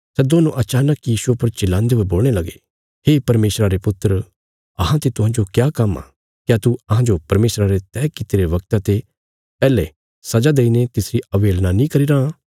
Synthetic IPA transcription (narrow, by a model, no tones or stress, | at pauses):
sɛːd̪oːnuʔɐt͡ʃaːnəkijiːsuapɐɾt͡ʃɪlːãːnd̪eoeboːlɽ̃elɐɡe | ɦeːpɐɾmeːsɾaɾepʊt̪ːəɾ | ɐɦãt̪et̪ʊɦãːd͡ʒokjaːkɐma̰ | kjat̪uɐɦãd͡ʒopɐɾmeːsɾaɾet̪ɛːkɪt̪eɾeʋɐkt̪at̪e | pɛːle | sɐd͡ʒad̪eːinet̪ɪsɾiɐʋeːlnanĩkɐɾiɾãː